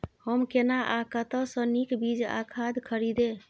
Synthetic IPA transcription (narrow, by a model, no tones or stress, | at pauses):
həmkenaʔakət̪əsə̃nikbid͡ʒa̰kʰad̪kʰəɾid̪e